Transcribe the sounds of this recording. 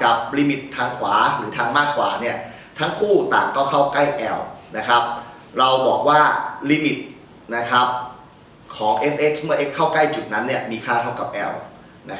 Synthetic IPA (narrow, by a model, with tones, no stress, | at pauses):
ka˨˩p̚liː˧˥mi˨˩t̪ʰːaː˧ŋkʰwaː˩˦ɾɯː˩˦t̪ʰaː˧ŋmaː˥˩kʰːwa̰ː˩˦ni˥˩ɐ | t̪ʰa˦˥ŋkʰuː˥˩t̪a̰ː˨˩ŋkɔː˥˩wkʰa˥˩wkla˥˩jʔɛ˧wna˦˥kʰɾa˦˥p̚ | ɾa˧wbɔː˨˩k̚waː˥˩liː˧˦˥mi˨˩t̪̚ | na˦˥kʰɾa˦˥p̚ | kʰɔː˩˦ŋʔe˦˥sʔe˦˥t͡ɕʰmɯ˥˩ɐʔe˦˥kʰːaː˥˩wkla˥˩jt͡ɕu˨˩t̪̚na˦˥nːi˥˩ɐmiː˧kʰaː˥˩t̪ʰa˥˩wka˨˩p̚ʔɛ˧w | na˦˥kʰ